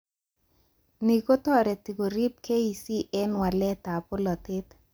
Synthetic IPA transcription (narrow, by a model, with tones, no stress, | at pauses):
ni˨ko˦t̪ɔ˦ɾɛ˨t̪i˨ko˨ɾi˦p̚ke˦i˨si˦ʔɛ˦nwa˨lɛ˦t̪a˨pʊ˦lɔ˨t̪ɪ˦t̪